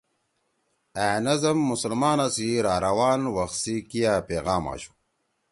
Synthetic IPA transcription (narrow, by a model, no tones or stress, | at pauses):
æːnɐzɐmːusɐlmaːnasiɾaːɾɐwaːnwɐxsikijaːpeːɣaːma̰ːɕu̥